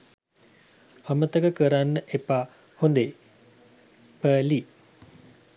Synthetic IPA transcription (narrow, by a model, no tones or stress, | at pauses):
hamət̪əkəkəɾanːəʔepaː | hond̪e | pəːli